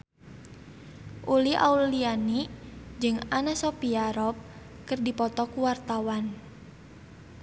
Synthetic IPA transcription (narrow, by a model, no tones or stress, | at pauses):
ʔulia̰ulianid͡ʒɨŋanasɔpiaɾɔp̚ | kɨrdipɔt̪ɔkuwart̪awan